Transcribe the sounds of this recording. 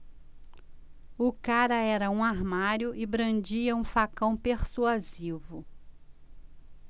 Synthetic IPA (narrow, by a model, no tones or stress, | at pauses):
ʊkaɾɐɛɾɐũaɾmaɾjʊʔɪbɾɐ̃nd͡ʒiɐũfakɐ̃w̃peɾsuazivʊ